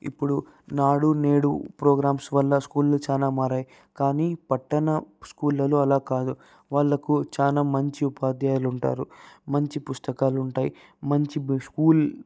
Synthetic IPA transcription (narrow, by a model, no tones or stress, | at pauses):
ḭpːuɽu | naːɽune̞ːɽupɾoːɡɾaːmsʋɐlːɐskuːlːɐt͡ʃaːnaːmaːɾaːji | kaːniːpɐʈːɐnɐskuːlːɐloːɐlaːkaːd̪u | ʋaːɭːɐkut͡ʃaːnaːmɐɲt͡ʃiupaːd̪jaːluɳʈa̰ːɾumɐɲt͡ʃipust̪ɐkaːluɳʈaːjḭ | mɐɲt͡ʃiskuːl